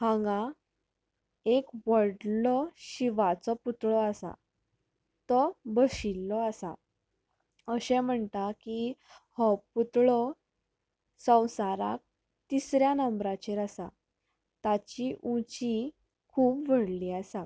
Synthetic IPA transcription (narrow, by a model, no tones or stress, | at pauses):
hãŋɡã | ekʋəɽlɔɕiʋat͡sɔput̪ɭɔasa̰ | t̪ɔbəɕilːɔasa̰ | əɕɛ̃m̤əɳt̪aki | hɔput̪ɭɔ | sə̃w̃saɾa̰k̚ | t̪isɾjanəmbɾat͡ɕeɾasa | t̪at͡ɕiʔũt͡ɕi | kʰuːpʋəɽliːasa